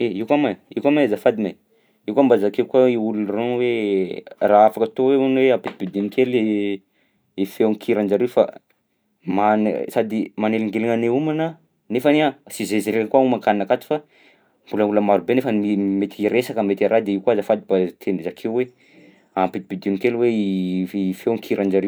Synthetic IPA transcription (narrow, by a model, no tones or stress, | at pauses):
eiwkamaiwkamazafad̪ina | iwkambazakeukwaiulunronwe | raafakət̪oweanweapit̪i̥bid̪inikele | efewaŋkʰiɾand͡ʒaɾewfa̰ | man̰sad̪imaneliŋɡelaŋaneumanə | nefaneasizeziɾeɾakwaumakaninakat̪u̥fa | mbuləmuləmaɾubenefənimet̪iiɾesakamet̪eɾʔad̪eiwkwazafad̪ibat̪ʰenizakʰeuwe | ampit̪i̥bid̪inikelweifewŋkʰiɾʔand͡ʒaɾew